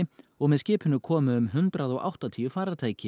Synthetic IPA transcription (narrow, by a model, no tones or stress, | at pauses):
ɔɣmɛðscɪːpʰʏnːʏkʰɔːmʏʏmɦʏnt̪ɾaðɔɣʔa̰wht̪at̪ʰiːjʏfaːɾat̪ʰaːjcɪ